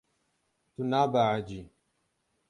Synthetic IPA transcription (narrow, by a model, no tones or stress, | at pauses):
t̪unaːbaʕad͡ʒi